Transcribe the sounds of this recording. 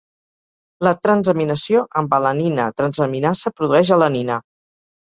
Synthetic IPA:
lət̪ɾənzəminəsioʔəmbələninət̪ɾənzəminasəpɾuðuɛʃələninə

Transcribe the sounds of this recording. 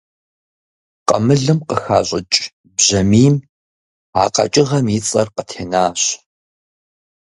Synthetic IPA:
qɐ̰mɨɮɨmqəxaːɕʷʼɪt͡ʃʼ | bʑɐmiːm | aːqɐ̰t͡ʃʼɪʁɐmit͡sʼɐrqətʰeːnaːɕ

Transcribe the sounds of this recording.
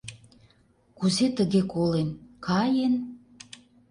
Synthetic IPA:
kuzet̪əɣekolenkɑjen

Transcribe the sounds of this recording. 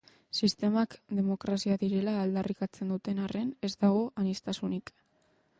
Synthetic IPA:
sist̪e̞makd̪e̞mo̞kɾasiaðiɾe̞laːld̪arikat͡se̞nd̪ut̪e̞nare̞ne̞zd̪aɣ̞o̞ʔanist̪asunik

